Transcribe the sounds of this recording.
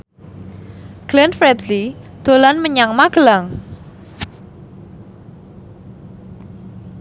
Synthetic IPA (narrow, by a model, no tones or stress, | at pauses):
ɡ̥lɛnfɾɛd̪lid̪̥o̤lanməɲaŋmaɡ̥əlaŋ